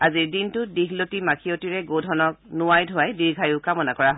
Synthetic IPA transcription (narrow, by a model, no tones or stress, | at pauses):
aziɹdintʊdiɦlotimakʰijotiɹɛɡowdʱɔnɔknʊwajdʱʊwajdiɹɡʱajʊkamɔnakɔɹaɦ